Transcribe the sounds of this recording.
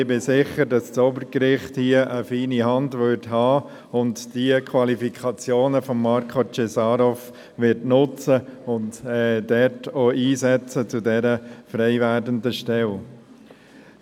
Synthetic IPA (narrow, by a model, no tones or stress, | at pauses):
ɪbɪsɪχəɾdɑssoːbəɾkɾɪχthiəʔəfiːniɦɑndʋʏɾthɑː | ʊntd̥iəkʰʋɑlifikʰɑt͡sjoːnəfɔmːɑɾkʰot͡ʃesɑːɾɔf | ʋɪɾtnʊt͡səʊntːdɛtʰoːʔiːsɛt͡sət͡sudɛɾəfɾɛɪʋæːdəndəʃtɛl